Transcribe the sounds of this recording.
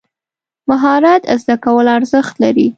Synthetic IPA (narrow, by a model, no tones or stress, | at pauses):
maɦɑɾat̪zd̪akawəlaɾzəxt̪laɾi